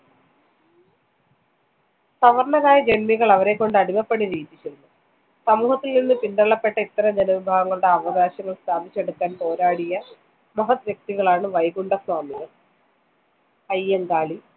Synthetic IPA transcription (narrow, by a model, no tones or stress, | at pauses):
sɐʋɐrɳɐðaːjɐd͡ʑe̞nmiɣɐɭɐʋɐɾe̞kːo̞ɳɖɨɐɽimɐpːeɽiɾiːt̪ːit͡ɕeɾunːu | sɐmuːhɐt̪ːilninːɨpind̪ɐɭːɐpːe̞ʈːɐit̪ːɐɾɐmd͡ʑenɐʋibʱaːɡɐŋːɐɭuɽe̞ɐʋɐɡaːɕɐŋːɐɭst̪ʰaːbʱit͡ɕːe̞ɽutk̪ːaːnpo̞ːɾaːɽijɐ | mɐɦɐt̪ʋjek̚t̪iɣɐɭaːɳɨʋɐjɡuɳɖɐsʋaːmiɣɐ | ɐjːeŋɡaːɭi